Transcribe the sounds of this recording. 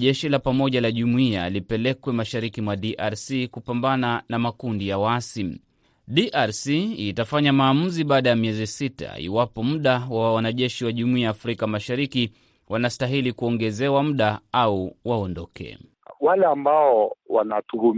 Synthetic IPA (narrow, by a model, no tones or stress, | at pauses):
ʄɛʃilapamɔʄalaʄumuia̰lipɛlɛkwɛmaʃaɾikimwaɗiʔaɾsikupambananamakundijawasi | ɗiʔaɾsiːtafaɲamaːmuziɓaːɗajamiɛzisita̰ḭwapɔmm̩ɗawawanaʄɛʃiwaʄumuiaːfɾikamaʃaɾiki | wanastaɦilikuɔŋɡɛzɛwam̩ɗaauwaɔndɔkɛ̰ | walɛambaɔwanatuhum